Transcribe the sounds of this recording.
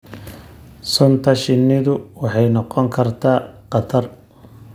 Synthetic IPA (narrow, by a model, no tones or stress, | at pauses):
sʊnt̪ʰɐʃɪnːɪðʊwɑħɑjnɔqɔŋkʰɐrt̪ʰaːqɑt̪ʰɐr